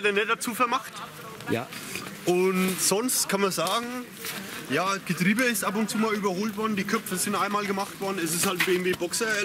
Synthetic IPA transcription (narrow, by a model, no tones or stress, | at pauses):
ɛtenɛd̥at͡suːfɛɐmaχt | ja̰ʔʊntz̥ɔnstkʰanmɐzaːɡŋ̩ | jaːɡ̥ətʁ̥iːbəɪstʔap̬ʊntt͡suːmaːlyːbɐhoːltv̥ɔɐdn̩diːkʰœpfəzɪntʔaɪnmaːlɡəmaχtv̥ɔɐdn̩ɛs̬ɪsthaltɪɡŋ̩viːbɔksɐ